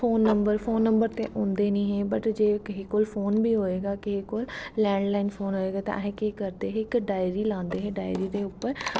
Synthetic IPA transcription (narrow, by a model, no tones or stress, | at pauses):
pʰoːnːəmbəɾfʰoːnːəmbəɾt̪ḛːʔõːnd̪eːnĩːɦẽːbəʈd͡ʒeːkɪɦeːkoːlpʰoːnbʱiːɦoːeːɡaːkɪɦeːkoːlːɛ̃ːɳɖlaːɪnpʰoːnɦoːeːɡaːt̪ã̰ʔɦẽːkɪkəɾd̪eːɦeɪkɖaːjɾiːlãːnd̪eːɦẽːɖaːɪɾiːd̪eːʊpːəɾ